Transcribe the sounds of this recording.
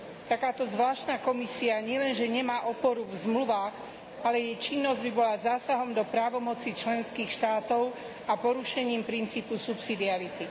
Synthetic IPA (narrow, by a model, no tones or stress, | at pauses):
t̪akaːt̪ɔzʋlaːʃt̪nakɔmisiaɲɪɛlɛnʒɛɲɛmaːʔɔpɔɾuvzmluʋaːɣ | alɛjɛjt͡ʃinːɔzɟbibɔlazaːsaɦɔmd̪ɔpɾaːʋɔmɔt͡sit͡ʃlɛnskiːxʃt̪aːt̪ɔʊ | apɔɾuʃɛɲiːmpɾint͡siːpusupsid̪iaɾit̪i